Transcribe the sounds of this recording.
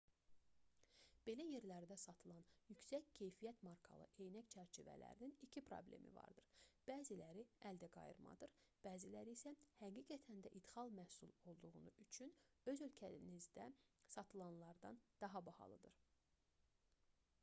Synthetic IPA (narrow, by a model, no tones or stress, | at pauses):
b̥e̞læje̞ɾlæɾd̪æsɑt̪ʰɯlˠɑnjycsæccʰe̞jfijæt̪mɑɾkʰɑ̰lˠɯ̰ʔe̞jnæct͡ʃʰæɾt͡ʃʰivæ̰læ̰ɾininicʰipʰɾo̰ble̞̰mḭvɑ̰ɾd̪ɯɾb̥æːzilæɾiæld̪æɡɑ̰jɯ̰ɾmɑ̰d̪ɯɾb̥æːzilæɾiiːsæhæɡiːɡæt̪ʰænd̪æʔid̪xɑlˠmæhsulˠo̞lˠd̪uɣunuʔyt͡ʃʰyn | ø̞zø̞lcʰænizd̪æsɑt̪ʰɯlˠɑnlˠɑɾd̪ɑnd̪̥ɑɦɑbɑhɑ̰lˠɯ̰d̪ɯɾ